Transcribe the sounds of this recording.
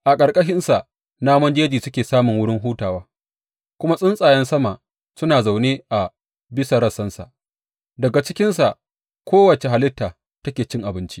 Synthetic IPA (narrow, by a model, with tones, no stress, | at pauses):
ʔa˨kʼɐ˨ɽkʼɐ˦ʃɪ˦nsa˨ʔ | naː˦mɐ˦nd͡ʒeː˦d͡ʒiː˨sʊ˦kʲeː˨saː˦mʊ˨ŋwʊ˦ɽɪ˦ŋɦuː˦taː˨waː˦ | kʷʊ˦ma˦sʼɪ˦nsʼaː˨jɛ˦nsɐ˦ma˨ʔ | sʊ˦naː˨za˨wneː˦ʔa˨ | bɪ˦sa˨ɾɐ˦sɐ˦nsa̰˨ʔ | dɐ˨ɡa˨t͡ʃɪ˦kʲɪ˦nsa˨ʔ | kʷoː˦wɐ˨t͡ʃe˨ɦa˨lɪ˦tːaː˨ | tɐ˦kʲeː˨t͡ʃɪ˦ŋʔa˨bɪ˦nt͡ʃi˦